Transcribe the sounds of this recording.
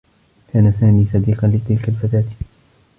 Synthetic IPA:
kʰaːnasaːmiːsɑd̪iːqɑnlɪt̪ɪlkalfat̪aːt̪

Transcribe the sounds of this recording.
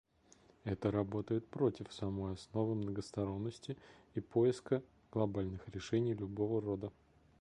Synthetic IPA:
ɛt̪əɾɐbo̞t̪əjɪt̪̚pɾo̞tʲɪfsɐmo̞jɐsno̞vɨmnəɡəst̪ɐɾo̞nːəsʲtʲɪipo̞ɪskə | ɡ̥lˠɐbalʲnɨxɾʲɪʂɛnʲɪjlʲʊbo̞vəro̞d̪ə

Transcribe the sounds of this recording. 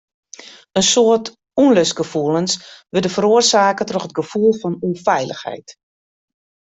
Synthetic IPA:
ənsoərt | unløs̚ɡ̥əfuəlˠənsʋədəfəɾoərsaːkətroxət̚ɡəfulˠfɔnunfɛjləxhɛ̰jt

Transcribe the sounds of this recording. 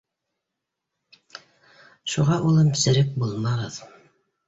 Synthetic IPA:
ʃuʁɑʔulˠɤmsɘ̆ɾɘk̚bulˠmɑʁɤð

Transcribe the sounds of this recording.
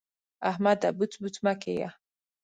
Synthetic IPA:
ahmad̪abut̪but̪ʰmakḛja̰

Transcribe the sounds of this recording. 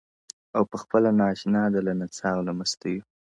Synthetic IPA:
awpəxpəlanɑʃnɑd̪alanat͡sɑwlamast̪aju

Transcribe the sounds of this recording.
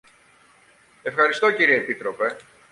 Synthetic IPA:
e̞fxɐɾist̪o̞ciɾieːpit̪ɾo̞pe̞

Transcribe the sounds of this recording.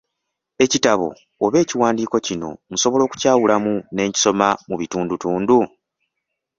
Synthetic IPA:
e̞citaβo̞̰ː | βe̞ːciwaːndiːko̞cino̞̰muso̞βo̞lo̞ːku̥caːwulamune̞ːɲci̥so̞mamuβituːndutuːndu

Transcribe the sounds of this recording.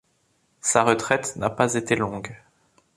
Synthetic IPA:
saʁət̪χɛt̪napazet̪elɔ̃ɡ

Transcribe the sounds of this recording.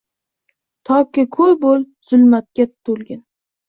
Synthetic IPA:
t̪ʰɒkʲːɪkʰɵbol | z̥ʊlmat̪̚kʲat̪ʰolɡʲɪn

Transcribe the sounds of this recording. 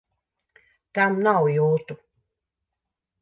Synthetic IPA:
kamnawjut̪u

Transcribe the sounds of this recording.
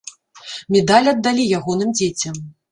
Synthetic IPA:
mʲɛd̪alʲɐd̪ːalʲijaɣɔn̪ɨmd͡zʲet͡sʲɐm

